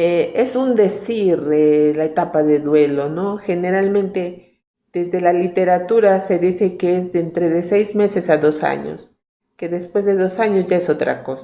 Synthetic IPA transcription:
ee̞sund̪e̞siɾelaet̪apaðe̞ðwe̞lo̞no̞xe̞ne̞ɾalmẽnt̪e̞ | ð̥e̞zðe̞lalit̪e̞ɾat̪uɾase̞ðise̞keezðent̪ɾe̞ðe̞se̞jzme̞se̞saðo̞sa̰ɲo̰s | ke̞ðe̞spwe̞zðe̞ðo̞saɲozʝaeso̞t̪ɾa̰ko̞sa

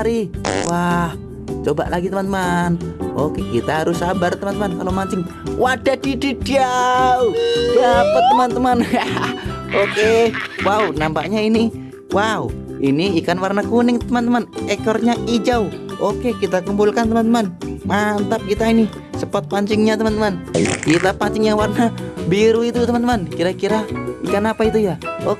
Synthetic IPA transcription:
ɾiwah | t͡ʃoba̰ʔlaɡit̪əmant̪əmanokekit̪aɦaɾʊsambart̪əmant̪əmankalomaɲt͡ʃɪŋ | wad̥ad̥ididiaudapət̪̚ːəmant̪əmana | okewaunampaʔɲaini | wau | iniikanwarnakunɪŋt̪əmant̪əmanɛkɔrɲaʔid͡ʒauokekit̪akumbulkant̪əmant̪əmanmant̪ap̚kit̪aini | səpat̪̚paɲt͡ʃɪŋɲat̪əmant̪əman̰kit̪apaɲt͡ʃɪŋɲawarnabiɾuit̪ut̪əmant̪əmankiɾakiɾaikanapait̪̬ujaok

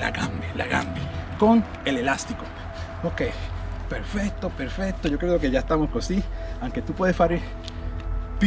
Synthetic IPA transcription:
la̰ɣambela̰ɣa̰mbeko̞ŋ | e̞le̞last̪iko | okejpeɾfek̚t̪opeɾfe̞k̚t̪o̞ʝo̞kɾeðokeʝaest̪amo̞skosiawŋke̞t̪upwe̞ðespaɾe | p

